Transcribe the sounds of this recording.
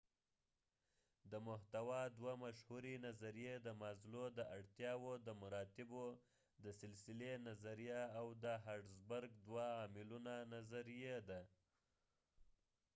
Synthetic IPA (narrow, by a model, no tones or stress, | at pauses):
d̪əmʊht̪awɑd̪wamaʃhuɾinazaɾijed̪əmazlod̪əʔaɽt̪jɑwod̪əmaɾɑt̪ɪbo | d̪əsɪlsɪlenazaɾijaːwd̪əɦaɖzbaɾɡd̪waːmɪlunanazaɾijed̪a